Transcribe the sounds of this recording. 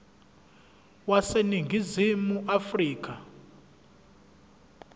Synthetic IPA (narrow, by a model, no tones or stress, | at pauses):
waseniŋɡʱizimuʔafriːk̬ʼa